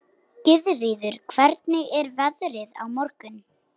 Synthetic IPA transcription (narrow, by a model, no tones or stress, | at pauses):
cɪðriːðʏɾ̥kʰvɛɾt̪nɪʔɛɾvɛðɾɪða̰wmɔɾkʏn